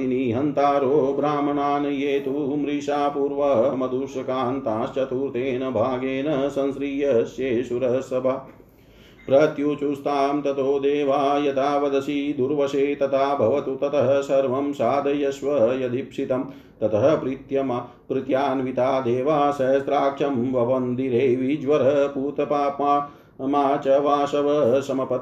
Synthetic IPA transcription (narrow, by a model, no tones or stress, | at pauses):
iniːɦɐnt̪aːɾoːbɾaːmɐɳaːnɐjeːt̪umɾiːʃaːpuːɾʋɐɦɐmɐd̪ʱuʂɐkaːnt̪aːʃt͡ʃɐt̪uːɾt̪eːnɐbʱaːɡeːnɐsɐ̃nsɾiːjɐʃeːʃuɾɐɦɐsɐbʱɐ | pɾɐt̪juːt͡ʃust̪aːmt̪ɐt̪oːd̪eːʋaːjɐt̪aːʋɐd̪ɐsid̪uɾʋɐʃeːt̪ɐt̪ʰaːbʱɐʋɐt̪ut̪ɐt̪ʰɐɦɐsɐɾʋɐmsaːd̪ʱɐjɐʃʋɐjɐd̪ʱipʂit̪ɐm | t̪ɐt̪ʰɐɦɐ̆pɾit̪jɐmɐ | pɾɪt̪jaːnʋit̪aːd̪eːʋaːsɐjɐst̪ɾaːkʂɐmʋɐʋɐnd̪iɾeːʋid͡ʒʋɐɾɐpuːt̪ɐpaːpmaː | maːt͡ʃɐʋaːʃɐʋɐsɐmɐpɐt̪